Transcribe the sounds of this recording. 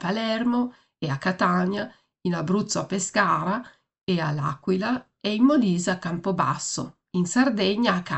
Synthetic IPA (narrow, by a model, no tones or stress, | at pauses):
palɛrmo | eakːat̪aɲa | inabɾut̪sːoapeskaːɾa | eala̰kwila | ɛimːoliːzakːampoba̰sːo̰ | insard̪ɛɲːaːkːa